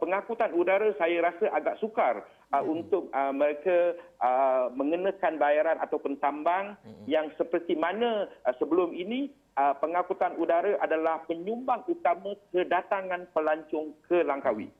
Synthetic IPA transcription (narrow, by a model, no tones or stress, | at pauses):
pəŋakut̪anudaɾasajaɾasaʔaɡaʔsukar | unt̪ʊk̚əməɾekaəmə̃ŋənə̃kanbajaɾanat̪awpʊnt̪ambaŋjaŋsəpərt̪imanə̃səbəlʊmini | əpəŋakut̪anudaɾaʔadalahpəɲumbaŋut̪amə̃kədat̪aŋãnpəlaɲt͡ʃɔŋkəlaŋkawḭ